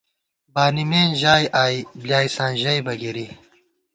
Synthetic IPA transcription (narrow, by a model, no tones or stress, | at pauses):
baːnimeːnʑaːjʔaːibljaːjsãːnʑɐjbɐɡiɾi